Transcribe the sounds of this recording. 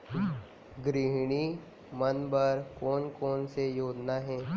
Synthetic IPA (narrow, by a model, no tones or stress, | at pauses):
ɡɾɪɦɽ̃i | mənbəɾkɔːnkɔːnsejoːd͡ʒnaɦɛ̃ː